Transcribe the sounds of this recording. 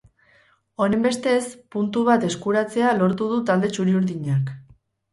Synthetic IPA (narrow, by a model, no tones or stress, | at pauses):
o̞ɾembe̞st̪e̞spunt̪uβ̞at̪e̞skuɾat͡se̞alo̞ɾt̪uð̞ut̪ald̪e̞t͡ʃuɾiuɾðiɲak